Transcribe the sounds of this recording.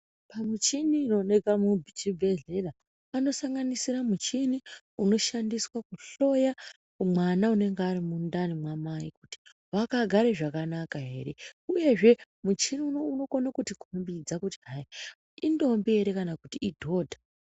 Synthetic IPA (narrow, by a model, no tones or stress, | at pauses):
pamut͡ʃiniːno̞nekamuit͡ʃibʱe̞ɮe̞la | ano̞saŋɡanisiɾamut͡ʃini | uno̞ʃandiswakuɬo̞ja | umwanaune̞ŋɡeaɾimundanimwamaikuti̥ | wakaɡʱaɾeʐakanakaɦe̞̰ːɾe̞uje̞ʐe̞ | mut͡ʃiniunouno̞konakutikumbid͡zakutiɦai | indo̞mbieɾe̞kanakutiidʱo̞ːdʱa